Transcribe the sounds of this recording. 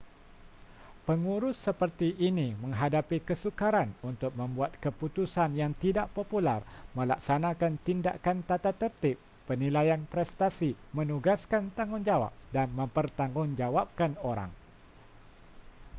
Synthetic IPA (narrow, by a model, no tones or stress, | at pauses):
pəŋuɾʊsːəpərt̪iʔːnimə̃ŋɦadapikəsukaɾanunt̪ʊk̚mə̃mbuat̪̚kəput̪usanjaŋt̪idaʔpopularmə̃la̰k̚sanakant̪inda̰ʔkant̪at̪at̪ərt̪ɪpːənilajanpɾɛst̪asimə̃nuɡaskant̪aŋʊnd͡ʒawa̰p̚danmə̃mpərt̪aŋɡʊŋd͡ʒawap̚kanoɾa̰ŋ